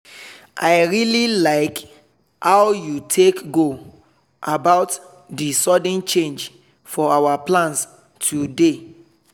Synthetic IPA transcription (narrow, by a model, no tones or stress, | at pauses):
ʔaɪɹililaɪk | awjutʰekɡo | ʔabaʊt | disɔd̃nt͡ʃẽnd͡ʒ | fɔawaplãns | tʰude